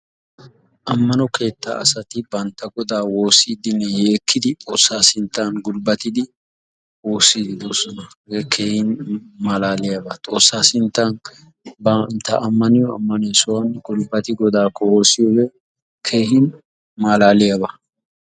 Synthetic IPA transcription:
ʔɐmːɐnɔkʰe̞ːt̪ːa̰ɐ̰sɐt̪ɪbɐnt̪ːɐɡɔd̪aːwo̞ːsiːd̪ɪnːɛje̞ːkʰːɪd̪ɪt̪ʼo̞ːsːaːsɪnt̪ːaːnɡʊlbɐt̪ɪd̪ɪ | wo̞ːsːiːɡɪd̪oːsɔnɐ | ɡɛkʰe̞ːhɪnmaːlaːlɪjɐbɐt̪ʼo̞ːsːaːsɪnt̪ːan | bɐnt̪ːɐʔɐmːɐnɪjɔɐ̰mːɐneːsɔwɐnɡʊlbɐt̪ɪɡɔd̪aːkʰːɔwo̞ːsɪjɔɡɛ | kʰe̞ːhɪn | maːlaːlɪjabɐ

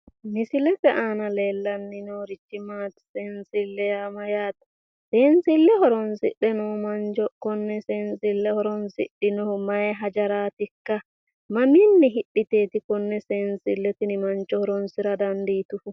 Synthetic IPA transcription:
nisilɛtɛʔanalɛlːanːinɔɾit͡ʃːimatsɛnsilːɛjamajaːtḁ | sɛnsilːɛhɔɾɔnsḭɗɛnɔmand͡ʒɔkɔnːɛsɛnsilːɛhɔɾɔnsḭɗːinɔmajɦad͡ʒaɾaːtikːa | maminːiɦiɗːiteːtikɔnːɛsɛnsilːɛtinimant͡ʃɔhɔɾɔnsiɾadandiːtufu

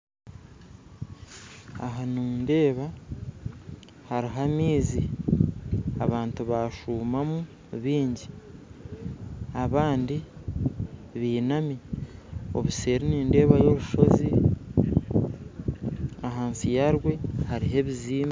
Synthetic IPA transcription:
a̰ɦanumunde̞ːβa | haɾiɦamiːzi | aβaːntuβaʃuːmamu | βiːɲɟi | aβaːndi | βiːnami | o̞̰βuse̞ːɾiniːnde̞ːβajo̞ɾuʃo̞zi | aɦaːnsijaɾɡwe̞haɾiɦe̞βiziːma

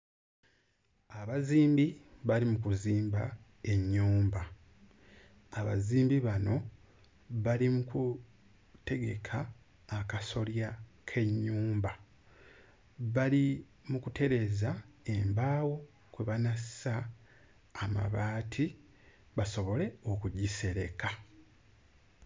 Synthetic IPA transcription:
aβaziːmbiβalimukuziːmba | e̞ɲːuːmba | aβa̰ziːmbiβano̞ | βalimuku | te̞ɡe̞̰kʰaː | kaso̞ljakʰe̞ɲːuːmba | βali | mukute̞ɾe̞zae̞mbaːwo̞ | kweβanassaː | ma̰βaːtʰi | βaso̞βo̞le̞o̞kuɟise̞ɾe̞̰ka

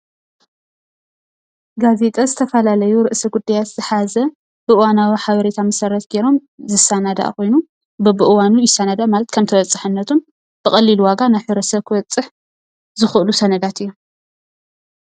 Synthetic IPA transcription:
ɡaze̞t̪ʼɐzɨt̪ʰɐfɐlalɐjuɾɨʔsɐɡud̪ːajat̪z̥ɨħazɐ | b̥ɨʔɨwanawiħaβɐɾe̞t̪ʰamɐsɐɾɐt̪ɡeɾo̞m | zɨsanad̪a̰ʔkʰo̞jnu | bɨbɨʔɨwanujɪsanad̪aʔmalɐt̪kʰɐmt̪ʰɐβɐt͡sʼɨħɨnːɐt̪ʰun | b̥ɨkʼɐlːilwaɡanajħɨɾɐsɐβkʰɨβɐt͡sʼːɨħ | zɨxʔɨlusɐnɐd̪at̪ɨjːo

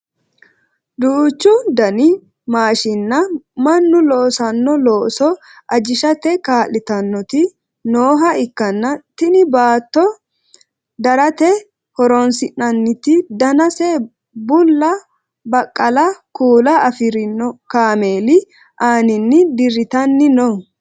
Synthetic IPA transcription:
d̪uːt͡ʃːʊd̪ɐnɪ | maːʃɪnːɐmɐnːʊlɔːsɐnːɔloːsɔ | ʔɐd͡ʒɪʃɐt̪ɛkaːlːɪt̪ɐnːɔt̪ɪ | noːɦɐɪkːɐnːɐt̪ɪnɪbaːt̪ːɔ | d̪ɐɾɐt̪ɛ | hɔɾɔnsɪnːɐnːɪt̪ɪd̪ɐnɐsɛ | bʊlːɐ | bɐkʼːɐlɐkuːlɐɐfɪɾɪnːɔkaːmeːlɪ | ʔaːnɪnːɪd̪ɪɾɪt̪ɐnːɪnɔ

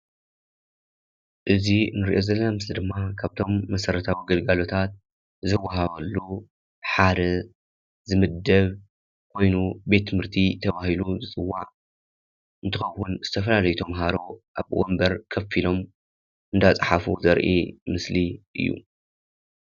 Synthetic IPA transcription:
ʔɨzinɨɾḭʔo̞zɐlːɐnamɨslid̪ɨmːakʰaβt̪ʰo̞mːɐsɐɾɐt̪ʰawiɡɐlɡalo̞t̪ʰat̪̚ | zɨwːaɦaβɐlːu | ħad̪ɐ | zɨmɨd̪ːɐβ | kʰo̞jnube̞t̪ʰːɨmɨɾt̪ʰit̪ʰɐβahiluzɨt͡sʼɨwːa̰ʕ | ʔɨnt̪ʰɨxɐwːʊnz̥ɨt̪ʰɐfɐlalɐjut̪ʰɐmɦaɾo̞ʔaβwo̰mbɐɾkʰɐfilo̞m | ʔɨnd̪at͡sʼɨħafuzɐɾʔḭmɨsliʔɨ̰jːṵ

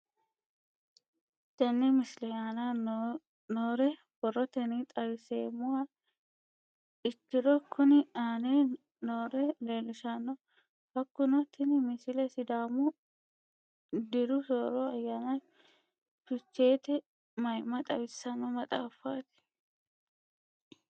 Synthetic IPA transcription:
t̪ɐnːɛmɪsɪlɛaːna | noːɾɛ | b̥ɔrːɔt̪ɛnit̪ʼɐwɪseːmʊa | ɪtːɪɾɔkʰːʊnɪaːne | noːɾɛle̞ːlʊʃanːɔ | hɐkːʊnɔt̪ʰːɪnɪmɪsɪlɛsɪd̪aːmʊ | d̪ɪɾʊsoːɾɔɐjːaːna | ʃʊt͡ʃːe̞ːt̪ɛ | mɐjmɐt̪ʼɐwɪsːɐnːɔmɐt̪ʼaːfːaːt̪ɪ̥

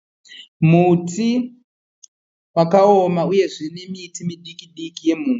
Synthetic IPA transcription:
mutʰi | wakaomauje̞ʐine̞mitʰimiɗikiɗikije̞muː

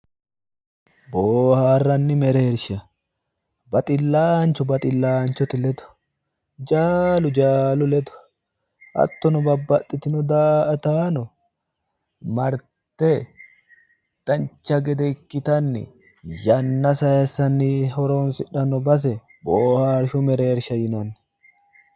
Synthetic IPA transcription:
boːhaːrːɐnːɪmɛɾeːɾʃɪɐ | bɐt̪ʼɪlːaːnt͡ʃɔbɐt̪ʼɪlːaːnt͡ʃɔt̪ɪlɛd̪ʊ̥ | d͡ʒaːlʊd͡ʒaːlʊlɛd̪ʊ̥ | ʔɐ̰t̪ːɔnʊbɐbːɐt̪ʼːɪt̪ɪnʊd̪aːʔɐt̪aːnɔ | mɐɾ | t̪ːɛ | d̪̥ɐnt͡ʃːɐɡɛd̪ɛɪkːɪt̪ɐnːɪ̰ | jɐnːɐsɐjɛsɐnːɪhɔɾoːnsɪᶑɐnɔbɐs̬ɛ | boːhaːɾʃʊmɛɾe̞ːɾʃɐjɪnɐnːɪ̥

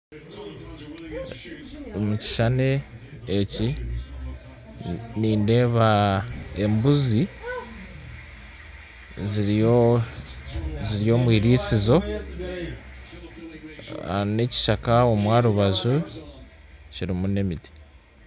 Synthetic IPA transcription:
muci̥ʃane̞ː | ci | niːnde̞βa | e̞mbuzi | zio | ziɾijo̞ːmwiːɾiːsizo̞ | ne̞ci̥ʃakao̞mwaːɾuβazu | ciɾimune̞miti̥

